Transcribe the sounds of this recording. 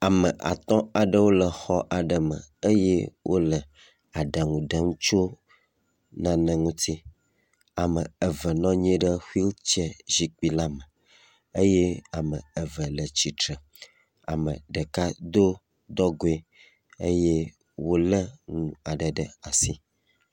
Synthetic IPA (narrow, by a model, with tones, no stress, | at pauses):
a˨mə˨ʔa̰˨t̪ɔ̃˦a˨ɖə˦wo˦lə˨xɔ˦ʔa˨ɖə˨mə̰˨ə˦jḛ˦wʔo˦lə˨ | a˨ɖa˨ŋũ˨ɖə˨ŋũ˦t͡ʃo˦ | nã˨nə̃˨ŋũ˦t̪i˦ | a˨mə˨ə˨və˨nɔ̃˦ɲ˦ẽ˦ɖə˦xu˦i˦lt͡ɕɛ˦zi˦k͡pi˦la˦mə˨ | ə˦je˦a˨mə̃˨ə˨və˨lə˨t͡ɕi˨tɾə˨ | a̰˨mə̰˨ɖə˨ka˦d̪o˦ | d̪ɔ˦ɡo˨e˦ | ə̰˦je˦ | wo˦lə˦ŋũ˨a˨ɖə˨ɖə˨a˨si˦